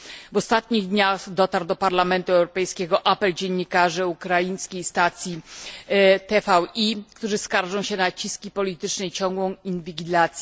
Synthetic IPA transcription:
vɔst̪at̪ɲiɣd̪ɲaxd̪ɔt̪aɾwd̪ɔpaɾlamɛnt̪uɛwɾɔpɛjskʲɛɡɔʔapɛld͡ʑɛɲːikaʐɘukɾajij̃skʲejst̪at̪sʲji | t̪ɛfawikt̪uʐɘskaɾʐɔ̃w̃ɕɛnat͡ɕiskʲipɔlʲit̪ɘt͡ʂnɛit͡ɕɔŋɡwɔ̃w̃invʲiɡʲilat̪sʲ

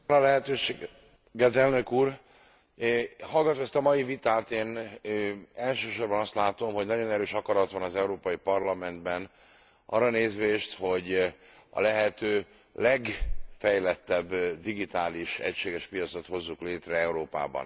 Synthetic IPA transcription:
lɒlɛɦɛt̪øːʃ | ɡɛt̪ɛlnø̞kuːr | hɒlɡɒt̪omɛst̪ɒmɒjivit̪aːt̪eːn | ɛlʃøːʃo̞rbɒnɒst̪laːt̪o̞mho̞ɟnɒɟo̞nɛɾøːʃɒkɒɾɒt̪ʋɒnɒzɛuɾoːpɒjipɒrlɒmɛnd̪bɛn | ʔɒ̰rːɒneːzʋeːʃt̪ho̞ɟ | ɒ̰lɛɦɛt̪øː | lɛɡfɛjlɛt̪ːɛbːd̪iɡit̪aːliʃɛ̰cʃeːɡɛʃpijɒt̪so̞t̪ho̞zːukleːt̪rɛɛuɾoːpa̰ːbɒ̰n

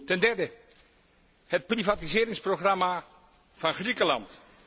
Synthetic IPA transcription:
tɛndɛɹdə | hət̚privatizɪːɾɪŋsproχrɑma | v̥ɑnχrikəlɑ̰nt

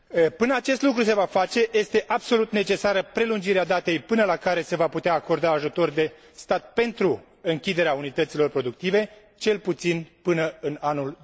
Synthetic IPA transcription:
pɨnəat͡ʃe̞st̪lukɾuse̞vafat͡ʃe̞je̞st̪e̞ʔabso̞lut̪ne̞t͡ʃe̞saɾəpɾe̞lund͡ʒiɾead̪at̪e̞jpɨnəlakaɾe̞se̞vaput̪eaːko̞rd̪aːʒut̪o̞rd̪e̞ | st̪at̪̚pe̞nt̪ɾu | ɨŋkʲid̪e̞ɾeaunit̪ət̪silo̞rpɾo̞d̪uk̚t̪ive̞ | t͡ʃe̞lput̪sinpɨnəɨnanul

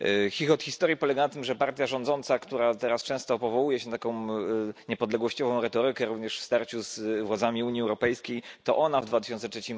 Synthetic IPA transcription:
xʲixɔt̪xʲist̪ɔɾʲjipɔlɛɡanat̪ɘmʐɛpaɾt̪ʲjaʐɔnd̪zɔnt̪sakt̪uɾat̪ɛɾast͡ʂɛ̃w̃st̪ɔpɔvɔwujɛɕɛnt̪akɔ̃w̃ɲɛpɔd̪lɛɡwɔɕt͡ɕɔvɔ̃w̃ɾɛt̪ɔɾɘkɛɾuvɲɛʂfst̪aɾt͡ɕuzvwadzamʲiuɲjiɛwɾɔpɛjskʲejt̪ɔʔɔnavd̪vat̪ɘ̥ʃɕɔnt̪sɛtt͡ʂʂɛt͡ɕim

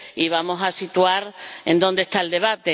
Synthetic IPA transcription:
iβamosasit̪uaɾẽ̞̰nd̪o̞nd̪est̪aeld̪e̞β̞at̪e

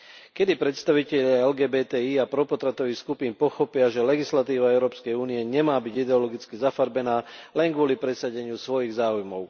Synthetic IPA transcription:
kɛd̪ipɾɛt̪st̪aʋicɛʎɪaɛlɡɛːbɛːt̪ɛːiːapɾɔpɔt̪ɾat̪ɔʋixskupiːnpɔxɔpɪaʒɛlɛɡislat̪iːʋaɛʊɾɔːpskɛjuːniɛɲɛmaːbiɟid̪ɛɔlɔɡit͡skizafaɾbɛnaːlɛŋɡʋʊɔlipɾɛsaɟɛɲɪusʋɔjiɣzaːujmɔʊ

